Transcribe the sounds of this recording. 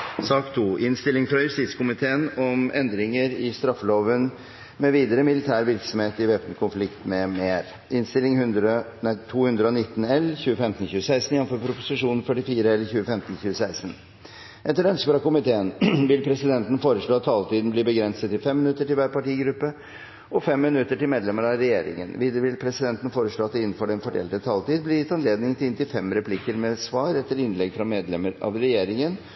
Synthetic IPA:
sɑːkt̪ʰuːʔɪnst̪ɪlːɪŋfɾɑjʉst̪ɪːt̪skʊmɪt̪ʰeːənɔmɛnd̪ɾɪŋəɾɪst̪ɾɑfːəloːʋən | mɛʋiːd̪əɾəmɪlɪt̪ʰæːɾʋɪɾksɔmheːt̪ɪʋeːpənkʰʊnflɪkt̪mɛmeːɾ | ɪnst̪ɪlɪŋhʉnd̪ɾənæt̪ʰuːhʉnd̪ɾəɔnɪt̪ːn̩ɛlçʉːəfɛmt̪n̩çʉːəsæɪst̪n̩ɪjɛnfɔɾpʰɾʊpʊsɪʂuːnən̩fœʈːɪfiːɾəɛlːəɾçʉːəfɛmt̪nɕʉːəsæɪsn̩ | ʔɛt̪ːəɖœnskəəɾɑkʊmɪt̪ʰeːənʋɪlpʰɾɛsɪd̪ɛnt̪n̩foːɾəʂɭoːɑt̪ʰːɑːlt̪iːd̪n̩bliːbəɡɾɛnsət̪ːɪlfɛmːɪnʉt̪ːəʈɪlʋæːɾpɑʈiːɡɾʉpːə | ʔɔfɛmːɪnʉt̪ːəʈɪlmeːd̪lɛmːəɾɑɾɛjeːɾɪ̰ŋə̰nʋɪd̪ʋɪlpʰɾɛsɪd̪ɛnt̪n̩foːɾəʂɭoːɑt̪d̪ɛɪnːn̩fɔɖɛnfɔɖjɛ̰ːlt̪ət̪ʰɑːlt̪iːd̪blɪɾjɪt̪ːɑnleːd̪nɪŋt̪ɪlɪnt̪ɪfɛmɾɛpʰlɪkəɾmɛsʋɑːɾɛt̪ːəɾɪnlɛɡfɾɑmeːd̪lɛməɾɑ̰ʋɾɛjeːɾɪŋən

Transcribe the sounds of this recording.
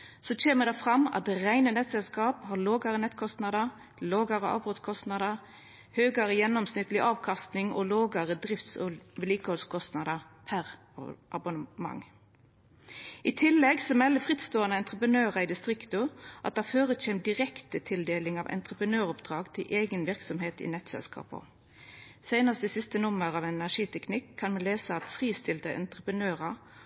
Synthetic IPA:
sɔt͡ʃeːməd̪ɛfʁɑmɑ̰t̪̚d̪ɛʁæɪnənɛt̪sɛlskɑːphɑloːɡɑʁənɛt̪kʰɔst̪nɑd̪ə | loːɡɑʁəʔɑ̰ːbʁʉt̪skʰɔst̪nɑd̪ɑ | høːɡɑɾəjɛnːɔmsnɪt̪ːlɪʔɑːʋkʰɑst̪nɪŋɔ̰loːɡɑʁəd̪ʁɪft̪sʋəliːkəhɔlskʰɔst̪nɑd̪ɑpʰæʁ | ʔɑbʊnəmɑ̰ŋ | ʔɪt̪ʰɪlːɛɡsɔmɛlːəfʁɪt̪st̪oːɑnəɛnt̪ʁəpənøːʁɑɪd̪ɪst̪ʁɪkt̪ʊʔɑt̪d̪ɛhɑføːʁəc͡çʰeːm̚d̪ɪʁɛkt̪ət̪ʰɪld̪eːlɪŋɑʋʔɛ̰nt̪ʁəpʁənøːʁɔpd̪ʁɑːɡt̪ʰɪlʔeːɡənʋɪʁksɔmheːt̪ɪ̰nɛt̪sɛ̰lskɑ̰ːpɔ̰ | sæɪnɑst̪isɪst̪ənʊmːəʁɑʋɛnæʂiːt̪ʰɛknɪkʰːɑnmɛnleːsəɑt̪fʁiːst̪ɪlt̪əʔɛ̰nt̪ʁəpənøːʁɑ

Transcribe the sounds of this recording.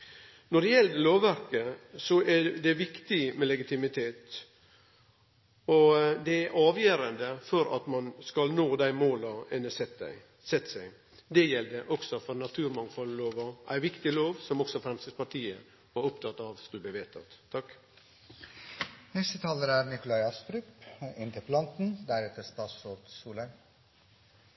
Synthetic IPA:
nɔɖɛjɛld̪əloːʋːæɾkəsɔʔæɖ̪ɛʋɪkt̪ɪmɛlɛɡɪt̪ʰɪmɪt̪ʰeːt̪ | ɔd̪ɛæɾʔɑːʋjøːɾənd̪əfɔɾɑ̰t̪mɑnskɑlnoːd̪æɪmoːlɑɛnːəsɛt̪ | sɛt̪ːsæɪ | d̪ɛjɛld̪əʔɔksɔfɔɾnɑt̪ʰʉːɾmɑŋfɔlloːʋɑʔæ̰ɪʋɪkt̪ɪloːʋsɔmɔksɔfɾɛmst̪əspɑʈ̪ʰiːə̰ | ɑɾʊpt̪ʰɑt̪ːɑʋskʉləb̪iːʋeːt̪ʰɑ̰t̪ʰːɑk | nɛst̪ət̪ʰɑːləɾæɾnɪkʊlɑɪɑst̪ɾʉːpɪnt̪ʰəplɑnt̪n̩d̪æɾɛt̪ʰəɾst̪ɑːt̪ssɔt̪suːlən

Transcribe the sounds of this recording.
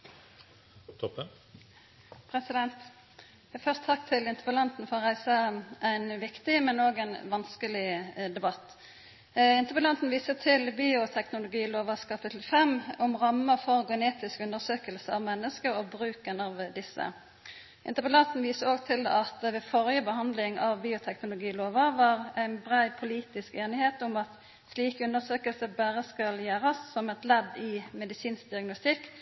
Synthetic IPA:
t̪ʰɔp | pʰʁɛsɪd̪ɛnt̪ | jæfœʁst̪ʰɑk̚t̪ʰɪlɪnt̪əʁpəlɑnt̪n̩fɔʁæɪsəʔæɪnʋɪkt̪ɪmɛnoːɡæɪnʋɑnskəlɪd̪ɛbɑt̪ː | ɪnt̪əʁpəlɑnt̪n̩ʋiːsət̪ʰɪlbiːʊt̪ʰɛknʊlʊɡiːloːʋɑskʰɑpʰɪt̪l̩fɛmʊmʁɑmːəfɔʁɡɛneːt̪ɪskʉnd̪əʁsøːkəlsəɑʋmɛnːəskəɾɔbʁʉːkənɑʋd̪ɪsːə̰ | ʔɪ̰nt̪əʁpəlɑnt̪n̩ʋiːsəoːɡt̪ʰɪlɑt̪ʋɛːfɔɾjəbəhɑnd̪lɪŋɑʋbiːʊt̪ʰɛknʊlʊɡiːloːʋəʋɑʁæɪnbʁæɪpʰʊliːt̪ɪskeːnɪheːt̪ʊmɑt̪ | sliːkʉnd̪əʁsøːkəlsəbæːʁəskɑljæːɾɑsːɔmɛt̪lɛd̪ɪmɛd̪ɪsiːnsk̚d̪ɪɑɡnʊst̪ɪkː

